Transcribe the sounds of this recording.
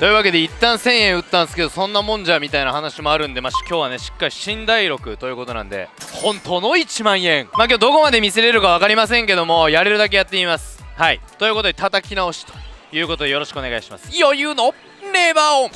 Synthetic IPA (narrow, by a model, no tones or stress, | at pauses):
t̪o̞jɯ̟βake̞d̪e̞it̪ːãɰ̃sẽ̞ɰ̃ẽɰ̃ɯ̟t̪ːãnd̪sɨ̥ke̞d̪o̞sõ̞nːamõ̞ɲ̟d͡ʑamʲit̪ainahanaɕimo̞aɾɯ̟̃nd̪e̞maɕi̥kʲo̞ːβane̞ɕi̥kːaɾʲiɕĩnd̪aiɾo̞kɯ̟t̪o̞jɯ̟ːko̞t̪o̞nã̰nd̪e̞̰hõ̞nt̪o̞ːno̞it͡ɕimãɰ̃ẽ̞ŋmaːk̬ʲoːd̪o̞ko̞mad̪e̞mʲiseɾe̞ɾɯ̟kaβ̞akaɾʲimas̬ẽ̞ŋke̞d̪o̞mo̞jaɾe̞ɾɯ̟d̪ak̬e̞jat̪ːe̞imasɨ̥haḭt̪o̞jiɯ̟ko̞t̪o̞d̪e̞t̪at̪akʲinao̞ɕi̥t̪o̥jɯ̟ːko̞t̪o̞d̪e̞jo̞ɾo̞ɕi̥kɯone̞ɡaiɕimasɨ̥iojɯ̟ːno̞ | ne̞ːbaːo